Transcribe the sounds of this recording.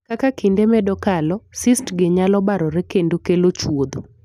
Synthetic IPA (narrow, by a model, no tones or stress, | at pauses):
kakakindemɛdɔkalɔsɪstɡɪɲalɔbaɾɔɾekendokelot͡ʃwod̪o